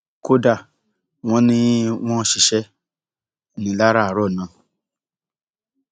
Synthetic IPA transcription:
ko˦da˦˨ | w̃ɔ̃˦nĩ˦w̃ɔ̃˦˧˨ʃi˨ʃɛ˦˨ | nĩ˨˦la˦ɾa˦˨ɾɔ˦˨nã˨˦˨

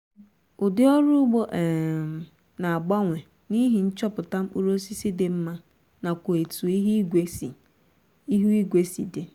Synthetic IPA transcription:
ʊ˨dɪ˦ɔ˦ɾu˦ɡ͡bo˦ʔ | na˨a˨ɡ͡ba˦ŋʷe˨ | ni˦ɦi˨n̩˦t͡ʃɔ˦pʊ˨ta˦m̩˦k͡pu˦ɾo˦si˦si˦dɪ˦m̩˦ma˦ | na˨kʷo˨e˨tu˨i˦ɦi˦ɡʷe˦sḭ˨ | i˦ɦu˦i˦ɡʷe˦sḭ˨de˨

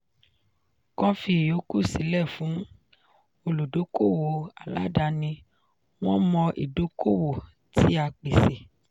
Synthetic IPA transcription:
kɔ̃˦fi˧˨jo˨˦ku˦˨si˨˦lɛ˦˨fũ˨˦ | o˧lu˨do˨˦ko˦˨wo˨a˨la̰˨˦da˧nĩ˧ | w̃ɔ̃˦mɔ̃˧ʔḭ˨do˨˦kʰo˦˨wo˨ | ti˦a˧k͡pe˨se˨

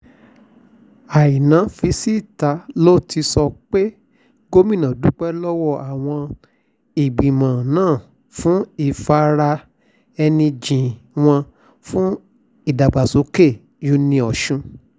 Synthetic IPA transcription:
a˨i˨nã˨˦fi˧˦si˦˨ta˧˦lo˦˨ti˧sɔ˧k͡pe˦ | ɡo˦mĩ˦nã˨du˨˦k͡pɛ˦lɔ˦wɔ˦˨a˨w̃ɔ̃˧ | i˨ɡ͡bĩ˨mã˨nãː˦˨ | fũ˦i˨fa˧ɾa˧ | ɛ˧nĩ˧d͡ʒĩ˨w̃ɔ̃˧ | fũ˦ | i˦˨da˨ɡ͡ba˨so˨˦ke˦˨ | jo˨˦nĩ˧ɔ˨ʃũ˧

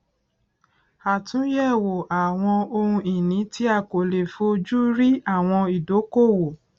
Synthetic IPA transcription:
a˨tũ˨˦jɛ˦˨wo˨ʔa˨w̃ɔ̃˧o˧hũ˧i˨nĩ˨˦ti˦a˦˨ko˨le˨fo˧˦d͡ʒu˦ɾi˦a˦˨w̃ɔ̃˧i˨do˨˦ko˦˨wo˨

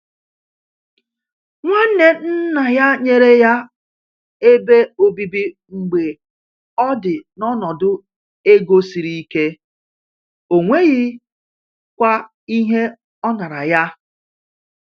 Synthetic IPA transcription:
ŋʷa˦n̩˦ne˨n̩˦na˨ja˦ɲe˦ɾe˦ja˦ | e˦be˦o˨bi˦bi˦ | ŋ͡m̩˨ɡ͡be˨ | ɔ˦dɪ˨nɔ˦nɔ˨dʊ˦ | e˦ɡo˦si˨ɾi˦i˦ke˦ | o˨ŋʷe˦ɣɪ˦ | kʷa˦ | i˦ɦe˦ | ɔ˦na˨ɾa˨ja˦

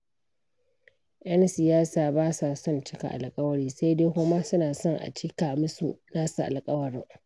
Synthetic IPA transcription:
ʔɐ˦nsɪ˨jaː˦saː˨baː˦sa˨sɔ˦nt͡ʃɪ˦ka̰˨ʔa̰˨lkʼɐ˦wɐ˦ɽiː˦sa˦jdeː˦kʊ˦ma˦sʊ˦naː˨sɔ˦ŋʔa̰˨t͡ʃiː˦kaː˨mɪ˦sṵ˦˨naː˦su˨ʔa̰˨lkʼɐ˦wɐ˨ɽɪ˦ŋ

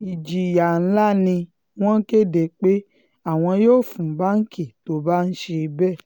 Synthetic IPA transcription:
i˨d͡ʒi˨ja˨n̩˦la˦nĩ˧ | w̃ɔ̃˦ke˦˨de˨k͡pe˦ | a˦˨w̃ɔ̃˧joː˦˨fũ˨˦ba˦n̩˦kʰi˦˨to˦ba˦n̩˦ʃe˧bɛ˦˨

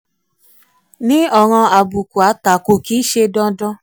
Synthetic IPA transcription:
nĩ˦ɔ˧˨ŋɔ̃˧a˨bu˨ku˨a˨˦ta˨ko˧˨kiː˨˦ʃe˧dɔ̃˧dɔ̃˧

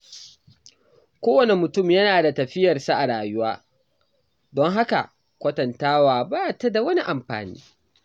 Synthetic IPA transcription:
kʷoː˦wɐ˨ne˨mʊ˨tʊ˦˨mjɐ˦naː˨da˨tɐ˨ɸɪ˦jɐ˨rsaː˦ʔa˨ɽaː˨jʊ˦waː˦ | dɔ˦ŋɦa˦ka̰˨ | kʷɐ˦tɐ˨ntaː˦waː˨baː˦ta˦da˨wɐ˦ni˦ʔa˨mɸa̰ː˨nḭː˦

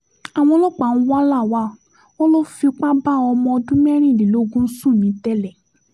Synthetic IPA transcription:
a˨w̃ɔ̃˧˦lɔ˦k͡pa˨n̩˦wa˦la˦˨wa˦ | wɔ̃˦lo˦fi˧k͡pa˦ba˦ɔ˧mɔ̃˧dũ˦mɛ˦ɾ̃ĩ˦˨li˨lo˦ɡũ˦n̩˦sũ˦˨nĩ˨˦tɛ˦lɛ˨

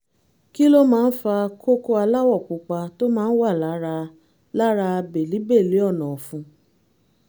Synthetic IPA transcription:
ki˦lo˦mãː˦˧n̩˦fa˧kʰo˦ko˦a˧la˦wɔ˦˨k͡pu˨k͡pa˧to˦mãː˦n̩˦wa˦˨la˨˦ɾa˧ | la˦ɾa˧a˧be˨li˨˦be˦˨le˨˦ɔ˦˨nɔ̃˨fũ˧

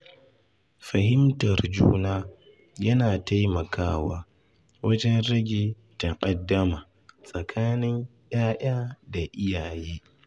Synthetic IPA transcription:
ɸɐ˨hɪ˦mtɐ˨rd͡ʒṵː˦naː˦ | jɐ˦naː˨ta˦jmɐ˨kʰaː˦waː˦ | wɐ˦d͡ʒɛ˦nɾɐ˦ɡʲiː˨ | ta˨ʔʼɐ˨dːɐ˦maː˨ | sʼɐ˨kʰaː˦nɪ˦ŋj̰aː˦jʔaː˦da˨ʔɪ˦jaː˨jiː˦

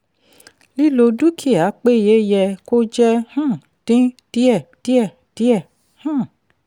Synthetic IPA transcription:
li˦lo˧du˦kʰi˦˨a˨˦k͡pe˦˨je˦jɛ˧ko˦d͡ʒɛ˦hã˦˨ | d̥ĩ˦d̥i˦ɛ˦˨d̥i˦ɛ˦˨ | d̥i˦ɛ˦˨ | hã˦˨

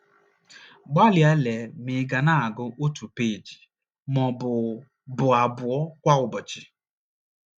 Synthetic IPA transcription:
ɡ͡ba˦lja˦le˨˦mɪ˨˦ɡa˨na˦a˨ɡʊ˦ʔo˦tu˨pe˦˨d͡ʒi˨ | mɔ˨bʊ˨ | bʊ˨a˨bʊ˨ɔ˦kʷa˦ʊ˨bɔ˨t͡ʃɪ˨

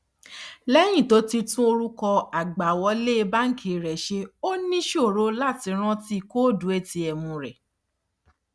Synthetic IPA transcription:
lɛ˦j̃ĩ˦˨to˨˦ti˧tũ˦o˧ɾu˦kɔ˧a˨ɡ͡ba˨wɔ˧˦le˦˧ba˦ŋ̩˦kʰe˨ɾɛ˨ʃe˧o˦nĩ˦ʃo˦˨ɾo˨˦la˦˨ti˧˦ɾ̃ã˦ti˦˧ko˦˨du˨˦e˦˨ti˧ɛ˨mũ˨˧ɾɛ˨

